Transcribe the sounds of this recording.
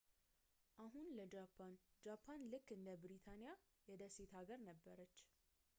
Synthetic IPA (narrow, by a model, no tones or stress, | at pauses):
ʔaɦunləd͡ʒapʰːand͡ʒapʰːanlɨkːɨnd̪əbɨɾit̪ʰanija | jɛd̪əset̪aɡəɾnəbːəɾət͡ʃː